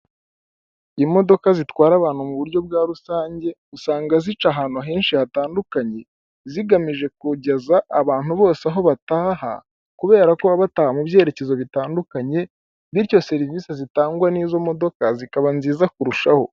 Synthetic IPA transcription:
imo̞do̞kazitwaːɾaβaːn̥humuβuɾɟo̞bɡaːɾusaːɲɟe̞usaːŋɡazit͡ʃaɦaːnuɦeːnʃihataːndukaɲe̞ | ziɡamiʒe̞k̚uɟezaʔːβaːnhuβo̞ːseaɦo̞βataːɦa̰ | kuβe̞ːɾako̞aβataːhamubje̞ːɾe̞ce̞zo̞βitaːndukaɲe̞ | βiɾco̞se̞ɾiviːsezitaːŋɡwaniːzo̞mo̞do̞kazikaβanziːzakuɾuʃaho̞

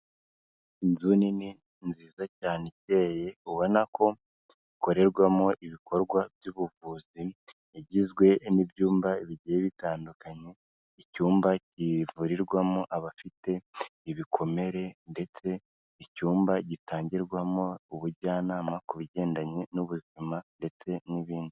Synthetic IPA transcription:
inzunini | nziːzacaːnece̞ːje̞uβo̞nako̞ | iko̞ɾe̞ɾɡwamo̞ʔiβiko̞ɾɡwabjuβuvuːzi | eɟizɡwe̞nibjuːmbaiβiɟijeβitaːndukaɲe̞ | icuːmbacivuɾiɾɡwamoʔaβafite̞iβikʰo̞me̞ɾe̞nde̞t͡se̞ | icuːmbaɟitaːɲɟiɾɡwamo̞uβuɾɟaːnaːmakuβiɟe̞ːndaɲe̞nuβuzimande̞t͡se̞niβiːndi

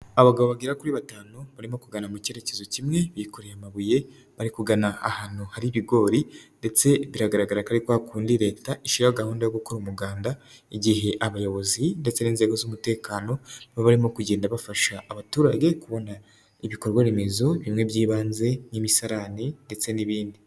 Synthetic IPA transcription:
aβaɡaβo̞βaɡiɾakuɾiβataːno̞βaɾimo̞kuɡanamuce̞ɾe̞ce̞zo̞cimŋe̞βiko̞ɾejamaβuje̞ | βaɾikuɡanaa̰hanohaɾiβiɡo̞ːɾinde̞t͡se̞βiɾaɡaɾaɡaɾakaɾikwoakuːndiɾe̞ːtaʔiʃiɾahoɡahuːndajoɡukoɾumuɡaːndaiɟihe̞ʔaβajo̞βo̞zinde̞t͡se̞niːnze̞ɡo̞zumute̞ːkaːno̞βoβaɾimo̞kuɟe̞ːndaβafaʃaʔːβatuːɾaɟe̞kuβo̞na | iβiko̞ɾɡwaɾime̞zo̞βimŋe̞βjiːβaːnze̞nimisaɾaninde̞t͡se̞niβiːndi

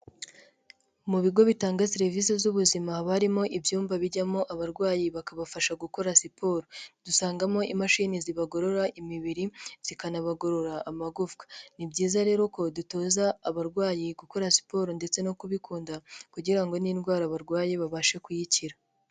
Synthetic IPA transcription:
muβiɡo̞βitaːŋɡasiɾevis̬ezuβuzimaβaɾimo̞ʔibjuːmbaβiɟamo̞ʔaβaɾɡwaːjiβakaβafaʃaɡuko̞ɾasipʰo̞ːɾodusaːŋɡamo̞ʔimaʃiniziβaɡo̞ɾo̞ɾaʔimiβiɾiz̥ikanaβaɡo̞ɾo̞ɾaːmaɡuvkḁnibɟiːzaɾe̞ːɾo̞ko̞duto̞ːzaːβaɾɡwaːjiɡuko̞ɾasi̥po̞ɾonde̞t͡se̞no̞kuβikuːndakuɟiɾaŋɡo̞ninɡwaːɾaβaɾɡwaːjiβaβaʃe̞kujiciɾa

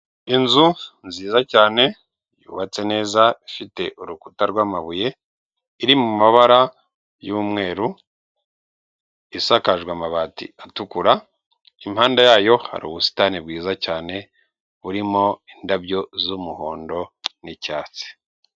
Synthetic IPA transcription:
inzunziːzacaːne̞ | jṵːβat͡se̞ne̞ːzaifite̞ʔuɾuku̥taɾɡwaːmaβuje̞ | iɾimumaβaɾa | juːmŋe̞ːɾu | isakaʒɡwamaβaːtḭatukuɾa | imhaːndajaːjo̞ha̰ɾṵːβusi̥tanib̚ɡiːzacaːne̞ | βuɾimo̞indabɟo̞zumuho̞ːndo̞nicaːt͡si̥

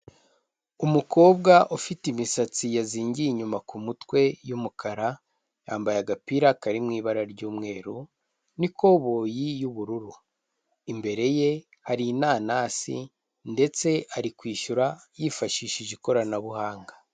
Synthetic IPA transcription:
umukʰo̞ːbɡaʔufitimisat͡sijaziːɲɟiiɲumakumutwe̞jumukʰaɾa | jaːmbajaɡapiɾakaɾimŋiːβaɾaɾɟuːmŋe̞ːɾu | nikʰo̞βoːjijuβuɾuɾu | imbe̞ɾe̞je̞ | haɾinaːnasḭ | nde̞t͡se̞aɾikwiːʃuɾajifaʃiʃiʒeko̞ɾanaβuhaːŋɡa

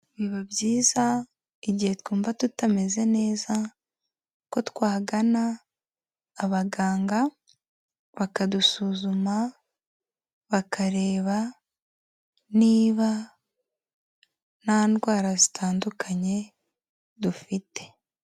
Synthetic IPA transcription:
βiβabɟiːza | iɟihe̞tkuːmbatutame̞ze̞ne̞ːza | ko̞twaːɡanaː | βaɡaːŋɡa | βakadusuːzuma | βakaɾe̞ːβa | niːβa | naːndɡwaːɾazitʰaːndukʰaɲe̞ | dufite̞̥

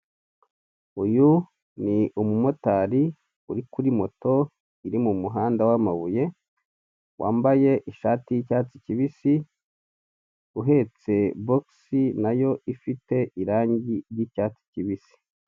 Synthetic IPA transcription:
uju | niumumo̞taɾi | uɾikuɾimo̞to̞ | iɾimumuɦaːndawamaβuje̞ | wʔa̰ːmbaje̞ʔiʃaːtijicaːt͡siciβisi | uɦe̞t͡se̞boksinajo̞ʔifite̞ʔiɾaːɲɟiɾjicaːt͡si̥ciβisi̥

